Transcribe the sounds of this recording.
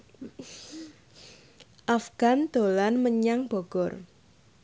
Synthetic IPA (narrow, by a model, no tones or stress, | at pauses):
ʔafɡ̥a̤nd̪̥olanməɲaŋb̥ɔ̤ɡ̥ɔr